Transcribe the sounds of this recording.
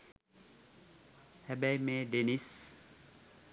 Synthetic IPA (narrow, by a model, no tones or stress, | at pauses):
hɛbæjmeːɖenis